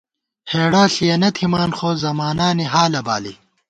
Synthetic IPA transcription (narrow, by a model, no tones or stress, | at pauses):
heːɽaːɬijɐnɐt̪ʰimaːnxoːzɐmaːnaːniɦaːlɐba̰ːlḭ